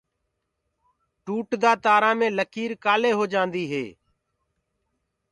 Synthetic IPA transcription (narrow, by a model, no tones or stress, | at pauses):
ʈuːʈd̪aːt̪aːɾãːmẽːləkʰiːɾkaːleːɦoːd͡ʒãːnd̪iːɦḛː